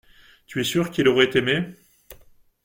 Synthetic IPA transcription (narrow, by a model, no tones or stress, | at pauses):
t̪yɛsyʁkʲiloʁɛt̪eme